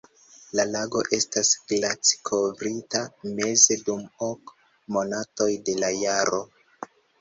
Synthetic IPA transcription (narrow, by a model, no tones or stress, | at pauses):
lalaɡo̞ʔe̞stasɡlat͡si̥kʰo̞vɾitame̞ze̞dumo̞k | mo̞nato̞jde̞lajaɾo̞